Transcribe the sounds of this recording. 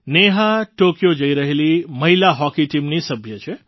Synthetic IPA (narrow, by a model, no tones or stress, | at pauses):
neɦaʈokjod͡ʒəiɾəɦeliməɦilaɦɔkiʈimnisəbʱjət͡ʃʰe